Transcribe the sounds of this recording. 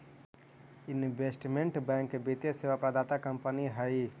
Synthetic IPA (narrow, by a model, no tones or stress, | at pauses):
inʋesʈmeɳʈbɛ̃ŋkbit̪jeseʋapɾad̪at̪akɐmpəniɦai